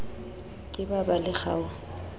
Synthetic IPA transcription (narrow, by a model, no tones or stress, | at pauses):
kʼɪbabalɪχa̰ːʊ